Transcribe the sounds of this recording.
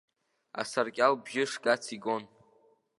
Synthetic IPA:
a̰sarkʲʼalbʒɪʂkʼat͡sʰiɡon

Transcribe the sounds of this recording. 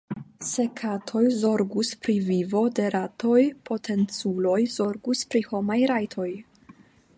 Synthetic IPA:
se̞kʰatʰo̞jzo̞ɾɡuspɾivivo̞de̞ɾatʰo̞jpʰo̞tʰe̞nt͡sulo̞jz̥o̞ɾɡuspɾiho̞majɾajtʰo̞j

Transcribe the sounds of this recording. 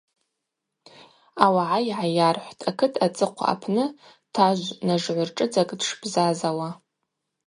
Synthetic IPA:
awaʕaiʕajarħʷtʰakʰɨtʰat͡sʼɨqʷʰa̰a̰pʰnɨ | tʰaʒʷnaʐʕʷʊrʈ͡ʂʼɨd͡zakʼdʂbzazawa

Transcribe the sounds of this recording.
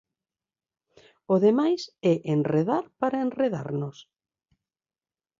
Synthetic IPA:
ʊðemajsɛʔenreðaɾpaɾaenreða̰ɾnʊs

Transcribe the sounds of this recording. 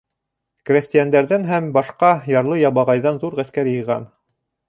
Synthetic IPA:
krʲest̪ʲɪjand̪æɾðænɦæmbɑʃqɑjɑɾlˠɤjɑβɑʁɑjðɑnðuɾʁæskæɾjɤ̆jʁɑ̰n

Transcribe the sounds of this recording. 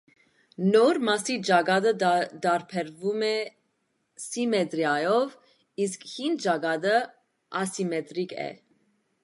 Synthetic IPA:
nɔɾmɑsid͡ʒɑɡɑd̪əd̪ɑɾpʰɛɾvumɛ | simɛt̪ɾjɑjɔv | iskhind̪d͡ʒɑɡɑd̪ə | ɑsimɛt̪ɾikɛ̰

